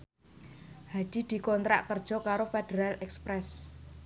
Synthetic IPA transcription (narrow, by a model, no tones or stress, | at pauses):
had̥i̤d̪̥i̤kɔnt̪ɾa̰ʔkərd̥ʒ̥ɔ̤kaɾofed̪̥eɾalɛkspɾɛs